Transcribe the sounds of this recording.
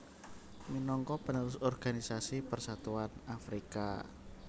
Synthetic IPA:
minɔŋkɔpənuɾʊsɔrɡ̥anisasipərsat̪uanafɾika

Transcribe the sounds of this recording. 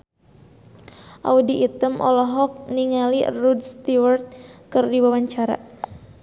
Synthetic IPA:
ʔa̰udiʔit̪əmʔɔ̰lɔɦɔk̚niŋalḭrudst̪iwart̪̚kərdiwawaɲt͡ʃaɾa̰

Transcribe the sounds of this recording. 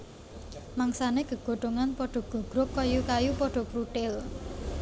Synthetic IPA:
maŋsaneɡ̥ə̤ɡ̥o̤ʈ̪oŋanpɔɖ̥ɔ̤ɡ̥o̤ɡ̥ɾʊkːɔjukajupɔɖ̥ɔ̤pɾuʈ̪ɪl

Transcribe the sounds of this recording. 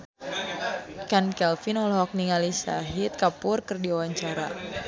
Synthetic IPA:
kankɛlfinɔlɦɔk̚niŋalisa̰ɦɪt̪̚kapʊrkɨrdiawaɲt͡ʃaɾa̰

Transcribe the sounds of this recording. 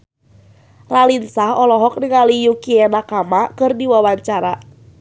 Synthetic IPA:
ralinsahɔlɔɦɔk̚nɪŋalijukianakamakɨrdiwawaɲt͡ʃaɾa

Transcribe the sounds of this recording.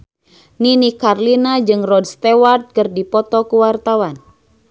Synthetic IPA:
ninikarlinad͡ʒɨŋrɔdst̪ewart̪̚kɨrdipɔt̪ɔkuwart̪awan

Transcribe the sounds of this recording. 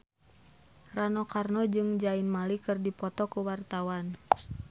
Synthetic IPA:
ranɔkarnɔd͡ʒɨŋd͡ʒainmalikɨrdipɔt̪ɔkuwart̪awan

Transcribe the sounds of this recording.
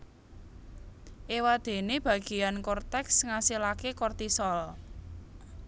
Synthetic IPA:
ʔewad̪̥e̤neb̥ä̤ɡ̥i̤jankɔrt̪ɛksŋasilakekɔrt̪isɔl

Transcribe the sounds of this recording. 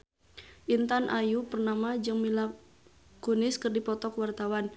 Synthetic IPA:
ʔint̪anʔajupərnamad͡ʒɨŋmila | kunɪskɨrdipɔt̪ɔkwart̪awan

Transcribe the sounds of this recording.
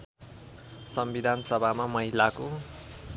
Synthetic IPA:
sʌmbid̪ʱanʌsʌbʱamamʌɦilako

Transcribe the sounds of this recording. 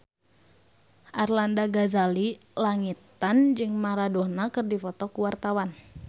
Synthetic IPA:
ʔarlandaɡazali | laŋit̪and͡ʒɨŋmaɾadɔhnakɨrdifɔt̪ɔkuwart̪awan

